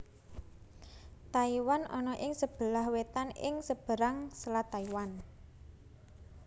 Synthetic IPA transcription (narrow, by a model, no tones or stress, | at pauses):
t̪aiwanɔnɔʔɪŋsəb̥ə̤lahwet̪anɪ̰ŋsəb̥ə̤ɾaŋsəlat̪aiwan